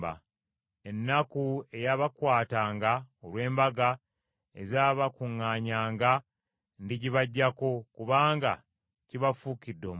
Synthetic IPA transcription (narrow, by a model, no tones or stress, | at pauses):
ba̰ | e̞nːakue̞jaβakwaːtaːŋɡaolwe̞ːmbaɡa | e̞̰zaːβakuŋːaːɲaːŋɡa | ndiɟiβaɟːako̞kuβaːŋɡa̰ | ciβafukidːom